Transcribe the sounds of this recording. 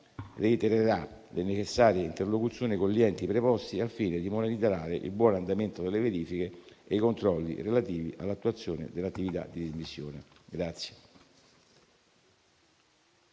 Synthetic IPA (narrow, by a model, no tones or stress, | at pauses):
reit̪eɾeɾalenet͡ʃesːaːɾjeint̪erlokut̪sjoːnikonliɛnt̪ipɾepɔst̪iafːiːned̪imod̪alid̪zaɾaːɾeʔḭlbwɔːnand̪ament̪od̪elːeveɾiːfik̟eejkont̪ɾɔlːḭrelat̪iːvḭʔalːat̪ːuat̪sːjoːnḛd̪elːat̪ːivit̪a̰d̪id̪izmisːjoːneɡɾat̪sːje